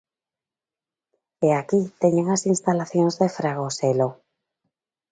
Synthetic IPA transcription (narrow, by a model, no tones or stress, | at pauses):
eakit̪eɲeŋasinst̪alaθjõnzðefɾaɣoselo